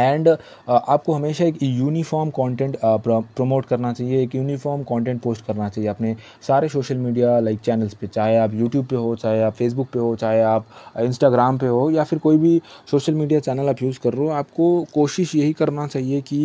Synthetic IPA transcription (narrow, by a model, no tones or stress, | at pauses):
ɛ̃ːɳɖ | aːp̚koɦɐmeːʃaeːkjuːnifɔːɾmkɔ̃ːɳʈɛ̃ːɳʈppɾomoːʈkɐɾnat͡ʃaːɦieːkjuːnifɔːɾmkɔ̃ːɳʈɛ̃ɳʈ̚poːsʈkɐɾnat͡ʃaːɦijeɐpne | saːɾesoːʃəlmiːɖijalaɪk̚t͡ʃɛːnəlspet͡ʃaːɦeaːpjuːʈjuːb̚peɦot͡ʃaːɦieaːpfeːs̬bʊk̚peɦot͡ʃaːɦeaːpɪ̃nsʈaːɡɾaːmpeɦoːjafɪɾkoːibʱisoːʃəlmiːɖijat͡ʃɛːnəlaːpjuːd͡ʒkɐɾːoaːp̚kokoːʃɪʃjɐɦikɐɾnat͡ʃaːɦieki